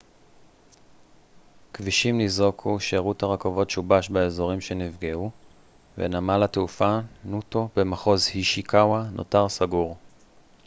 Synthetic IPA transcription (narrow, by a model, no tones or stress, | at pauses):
kviʃimnizokʰuʃeʁuthaʁakovo̞tʃubaʃbaezo̞ʁimʃe̞nivɡeʔu | vḛnamalateufanuto̞bemaχo̞zhiʃikʰawanʔo̞̰taʁsaɡuʁ